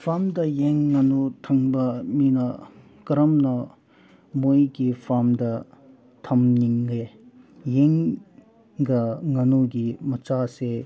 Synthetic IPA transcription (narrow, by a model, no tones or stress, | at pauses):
pʰamdɐjeŋːɐnutʰɐŋbɐminɐ | kɐɾɐmnɐ | mojɡipʰamdɐ | tʰɐmniŋɡe | jeŋ | ɡɐŋɐnuɡimɐt͡ʃase